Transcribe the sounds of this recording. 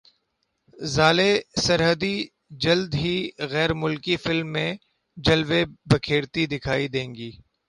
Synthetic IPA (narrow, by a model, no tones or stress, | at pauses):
zaːlesɐɾɦəd̪i | d͡ʒɐld̪ɦiɣɛːɾmʊlkifɪlmːẽ | d͡ʒɐlʋebɐkʰeːɾt̪id̪ɪkʰaːid̪ẽːŋɡiː